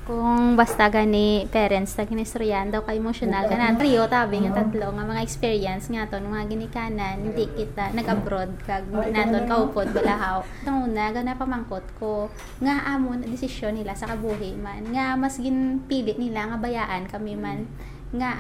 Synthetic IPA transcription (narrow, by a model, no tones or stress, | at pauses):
kʊŋbɐst̪aɡanipɛːɾɛnt̪sɐɡɪnɛst̪ɾjand̪ɐwkɐʔɛmoʃonɐlkɐnat̪ɾiot̪aːbɪŋɐt̪ɐt̪loŋɐmɐŋaʔɛkspiːɹjɐnsŋat̪o̞nʊmaaɡɪnɪkaːnanhɪnd̪ikɪt̪anɐɡʔɐbɾod̪̚kɐɡnaːt̪onkɐʔuːpod̪̚bɐlaɦaw | d̪ɐŋʔuːnɐɡɐnɐpɐmɐŋkot̪̚ko | ŋaʔaːmonɐd̪ɪsɪʃjonːɪlasɐkɐbuːɦɪmanŋamɐsɡɪnpiːlɪʔnɪlaŋɐbɐjaːʔɐnkɐmɛman | ŋa